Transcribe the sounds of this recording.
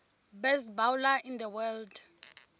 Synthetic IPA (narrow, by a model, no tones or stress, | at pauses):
bɛst̚bawlaʔind̪əwɛld